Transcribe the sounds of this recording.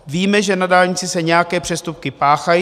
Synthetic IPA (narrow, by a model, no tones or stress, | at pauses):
viːmɛʒɛnadaːlɲɪt͡sɪsɛɲɛjakɛːpr̝̥ɛst̪up̚kɪpaːxaji